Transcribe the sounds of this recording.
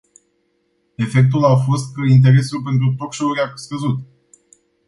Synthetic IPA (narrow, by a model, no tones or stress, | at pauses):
e̞fe̞k̚t̪ulafo̞st̪int̪̬e̞ɾe̞sulpe̞nt̪̬ɾut̪o̞kʃo̞uɾiaskəzut̪